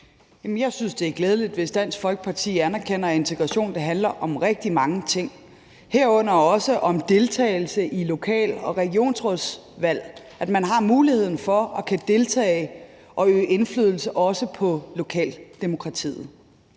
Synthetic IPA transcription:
jæmnjɑ̈ɪsynsd̥e̝æɐɡ̥lɛːð̞ˠəlid̥ʋe̝sd̥æn̰sɡ̥fɒ̽lɡ̥ə̥pʰɑ̈t͡sʰḭːænæɐkʰen̰ɐe̝nt͡sʰeɡ̥ʁɑɕo̝̰ːnd̥ɑ̈ɦænlɐʔɒ̽mʁɛɡ̥̚d̥imɑ̈ŋət͡sʰe̝ŋ̰ | heɐ̰ɔ̽n̰ɐɒ̽səʔɒ̽md̥e̝lt͡sʰɛ̰ːɪl̩səʔilo̝kʰɛ̰ːlɒ̽ʁɛɡ̥io̝̰ːnsʁɔsʋæl̰ | ʔæd̥mænɦɑ̈muːlihe̝ð̰ˠn̩fɒ̽ɒ̽kʰæd̥e̝lt͡sʰɛ̰ː | ʔɒ̽øːʔe̝nflyð̞ˠl̩səʔɒ̽səpʰɒ̽lo̝kʰɛ̰ːld̥emo̝kʰʁɑ̈t͡sʰḭːð̩ˠ

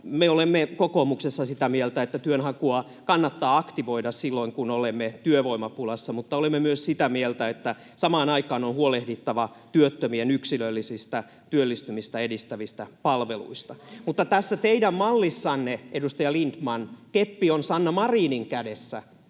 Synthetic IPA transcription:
meolemːekokoːmuksesːɑsit̪æmielt̪æet̪ːæt̪yønhɑkuɑ | kɑnːɑt̪ːɑːɑkt̪iʋoidɑssilːoiŋkunolemːet̪yøʋoimɑpulɑsːɑmut̪ːɑolemːemyøssit̪æmielt̪æet̪ːæ | sɑmɑːnɑikɑːnonhuolehdit̪ːɑʋɑ | t̪yøt̪ːømienyksilølːisist̪æ | t̪yølːist̪ymist̪æedist̪æʋist̪æpɑlʋelṵist̪ɑmut̪ːɑt̪æsːæt̪eidæmmɑlːisːɑnːeʔedust̪ɑjɑlint̪mɑnkepːionsɑnːɑmɑriːniŋkædesːæ

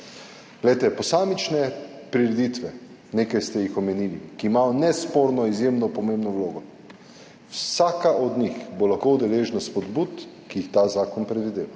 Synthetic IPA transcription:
ɡ̥lɛjt̪ɛpɔsaːmit͡ʃnɛpɾiɾɛd̪it̪ʋɛ | nekajst̪ɛjixɔmɛniːlḭkiːmaɔnɛspoɾnɔizjemnɔpɔmembnɔwloːɡɔ | wsaːkaʔɔd̪nixbolaxkowd̪ɛleːʒnaspɔd̪but̪kijixt̪aːzaːkɔnpɾɛd̪ʋid̪eːʋa

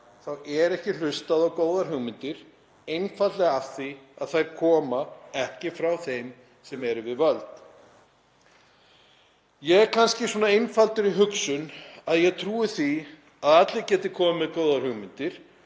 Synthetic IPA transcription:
θawɛɾɛhcɪl̥ʏst̪aðawkoːwðaɾ̥ɦʏɣmɪnt̪ɪɾ̥ | ejnfat̪lɛɣafθiaðθajɾkʰɔːmaɛhcɪfɾawθejm | sɛmɛɾʏvɪðvœlt̪ | jɛɣɛɾkʰanscɪsɔːnaejnfalt̪ʏɾiɦʏksʏnaðjɛɣt̪ʰɾuːɪθi | aðat̪lɪcɛːt̪ɪkʰɔːmmɪðkoːwðaɾ̥hʏɣmɪnt̪ɪɾ̥

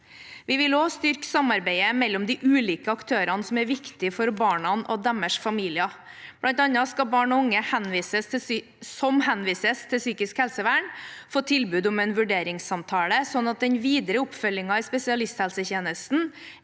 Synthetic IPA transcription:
ʋɪʋɪloːst̪ʏɾksɑmɑɾbæɪəmɛlːɔmd̪ɪʔʉːliːkəɑkt̪ʰøːɾɑnəsɔmæɾʋɪkt̪ɪfɔɾbɑːɳɑnɔd̪æməʂfɑmiːlɪɑ | b̥lɑnt̪ɑnɑskɑbɑːɳɔʊŋːəhɛnʋiːsəst̪ | sɔmhɛnʋiːsəst̪ʰɪlsyːkɪskhɛlsəʋæːɳfoːt̪ʰɪlbʉːd̪ɔmɛnʋʉɖeːɾɪŋsɑmt̪ʰɑːləsɔnːɑt̪̚d̪ɛnʋiːd̪əɾəʊpfœlːɪŋɑɪspɛsɪɑlɪst̪hɛlsəçeːnəst̪n̩

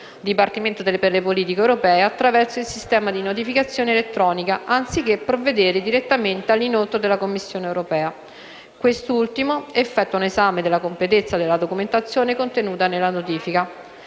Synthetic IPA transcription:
d̪ipart̪iment̪od̪elːperlepoliːt̪ikewɾopɛːeat̪ːɾavɛrsoilsist̪ɛːmad̪inot̪̬ifikat̪sːjoːnelet̪ːɾɔːnikaʔant̪sik̟ːepːɾovːed̪eːɾed̪iɾet̪ːament̪ealːinot̪od̪elːakomːisːjoːneːwɾopɛːa | kwest̪ult̪imoefːɛt̪ːwaunezaːmed̪elːakomplet̪et̪sːad̪elːad̪okument̪at̪sːjoːnekont̪enuːt̪anelːanot̪iːfika

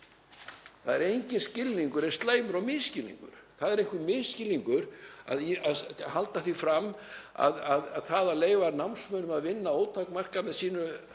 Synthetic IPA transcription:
θaðɛɾejɲcɪnscɪlniŋkʏɾɛɾst̪laːjmʏɾawmɪðscɪlːḭŋkʏ̰ɾ̥θaðɛɾehŋkʏmɪðscɪlːiŋkʏɾa̰ðaðɦalt̪aθifɾamːa̰ðaðθaðaleːjvanawnsmœːnʏmaðvɪnːaoːwt̪ʰakmar̥kamɛðsiːnʏ

